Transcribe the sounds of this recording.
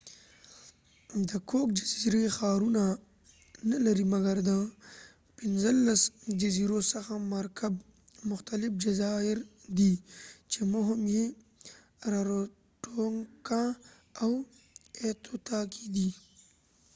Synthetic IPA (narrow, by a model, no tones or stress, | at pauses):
d̪əkʰok̚d͡ʒaziɾexaːɾuna | nalaɾimaɡaɾd̪ə | pɪnzəlːasd͡ʒaziɾosaxamaɾkʰab | mʊxt̪alɪfd͡ʒazɑɪɾd̪it͡ʃemoɦɪmje | ɾaɾo | ʈoŋkã | aw | et̪ot̪akʰid̪i